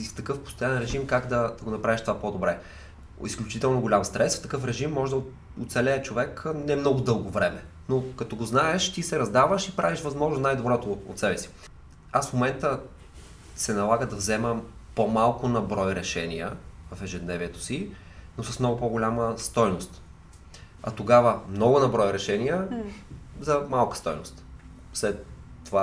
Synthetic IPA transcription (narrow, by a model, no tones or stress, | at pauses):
ft̪ɐkɤfpʊ̥st̪ojanɛnɾɛʒimkaɡd̪ɐd̪̥ɐɡonɐpɾaviʃt̪ovapod̪obɾɛ | isklʲʊt͡ʃit̪ɛlˠnoɡolʲamst̪ɾɛsft̪ɐkɤfɾɛʒimːɔʒɛd̪ɐ | ʊt̪sɛlɛːt͡ʃovɛknɛmnɔɡʊd̪ɤlˠɡovɾɛmɛ | nokɐt̪ɔɡoznaɛʃt̪isɛɾɐzd̪avəʃipɾaviʃvɐzmɔʒnosnajd̪obɾɔt̪oo̰t̪sɛbɛsi̥ | asfmomɛnt̪ə | sɛnɐlˠaɡəd̪ɐvzɛməpomalˠkʊnɐbɾɔjɾɛʃɛniə̰vɐfɛʒɛd̪nɛviɛt̪o̥si | nosɐsmnɔɡʊpoɡolʲaməst̪ɔjnost̪ | ɐ̰t̪oɡavəmnɔɡʊnɐbɾɔjɾɛʃɛnijə | zɐmalˠkə̥st̪ɔjnost̪ | fslɛt̪ːova